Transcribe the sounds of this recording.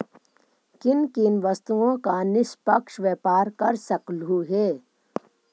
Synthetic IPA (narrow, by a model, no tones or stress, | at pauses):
kɪnkɪnʋɐst̪uõkanɪspɐkʃʋeːpaːɾkɐɾsɐklɦuɦeː